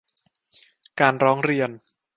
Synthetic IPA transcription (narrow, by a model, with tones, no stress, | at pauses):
kaː˧nɾɔː˦˥ŋɾi˧ən